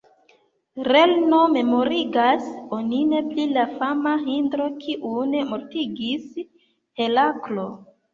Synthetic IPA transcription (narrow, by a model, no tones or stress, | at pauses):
ɾelno̞me̞mo̞ɾiɡaso̞nine̞plilafamaɦindɾo̞kʰiʔune̞moɾtiɡis | he̞laklo̞